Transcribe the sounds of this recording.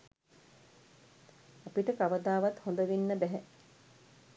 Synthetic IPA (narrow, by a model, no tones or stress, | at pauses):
apiʈəkaʋəd̪aːʋat̪hond̪əʋinːəbæɦɛ